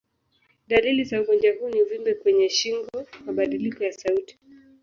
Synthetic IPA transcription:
ɗalilisaukɔnd͡ʒahuːniuvimbɛkwɛɲɛʃiŋɡɔmaɓaɗilikɔjasauti̥

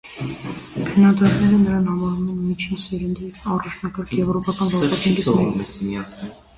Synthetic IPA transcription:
kʰənːɑd̪ɑt̪nɛɾənəɾɑnhɑmɑɾumɛnmit͡ʃʰinsɛɾɛnd̪iɑrɑt͡ʃʰnɑkəɾkʰjɛvɾɔpɑkɑnvɔɾpɑt̪ʰiɡ̪isnmɛsmiɑt͡sʰnɛl

